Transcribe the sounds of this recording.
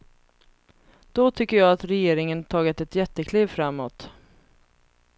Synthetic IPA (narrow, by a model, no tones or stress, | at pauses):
d̪̥ɔt̪ʰʏkːəjɑːat̪ɾɛjeːɾɪŋənt̪ʰɑːɡɪt̪ɛt̪jɛt̪ːəkʰlɪvfɾamːɔt̪